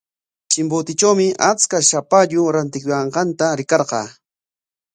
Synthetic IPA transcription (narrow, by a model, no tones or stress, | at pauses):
t͡ʃɪmbʊt̪ɪt͡ʃawmɪʔat͡skaʃapaʎʊɾant̪ɪkʊjɑɴqɑnt̪aɾɪkɑɾqɑː